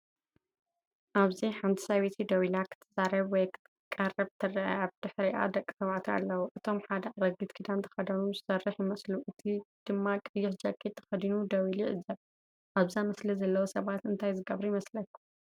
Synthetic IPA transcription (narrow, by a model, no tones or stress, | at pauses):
ʔaβziħant̪ʰi̥sɐβit̪ʰid̪ɐwilakʰɨ̥t̪ʰːɐzaɾɐβwɔjk | kʼɐrɐβt̪ʰɨrɐʕɐ̰aβd̪̥ɨħɾiʔa̰d̪ɐkʼːi̥sɐβʕt̪ʰia̰lːɐwuʔɨt̪ʰo̞mħad̪ɐʕaɾɐɡɨt̪kʰid̪ant̪ʰɐ̥xɐd̪ɐnuzɨsɐrːɨħjɪmɐsluʔɨt̪ʰid̪̥ɨmːakʼɨjːɪħd͡ʒɐkʼːit̪ʰːɐ̥xɐd̪inud̪ɐwiliʕɨzːɐβ | ʔaβzamɐslizɐlːɐwosɐβat̪ɨnt̪ʰajzɨɡɐβɾujɪmɐslɐkːu